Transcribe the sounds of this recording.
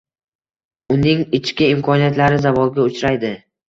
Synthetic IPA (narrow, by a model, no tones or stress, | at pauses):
ʊnɪŋɪt͡ʃkʲɪɪmkʰɒnijat̪laɾɪzavɒlˠɡʲaʊt͡ʃɾajd̪ɪ